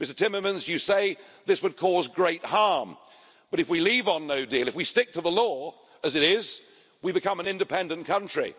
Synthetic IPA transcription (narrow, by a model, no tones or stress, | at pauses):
mɪstə̥˞tʰɪ̃mə˞mɨ̃nzjɨseɪðɪswɨd̚kʰɔzɡɹeɪt̚hɑɹm | b̥ʌɾɨfwilivn̩noʊdilˠɨfwistɪk̚tʰəðəlɔ | ɨzɨɾɪz | wibɨkʰʌ̃mə̃nɪ̃ndɨpʰɛ̃ndɨ̃nkʰʌ̃nt͡ʃɹ̥ḭ